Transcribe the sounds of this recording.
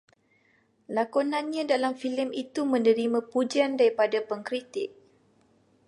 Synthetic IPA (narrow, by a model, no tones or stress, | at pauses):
lakɔnãnɲãdalamfiləmit̪umə̃nə̃ɾimãpud͡ʒiandaɾipadapəŋkɾit̪ɪk̚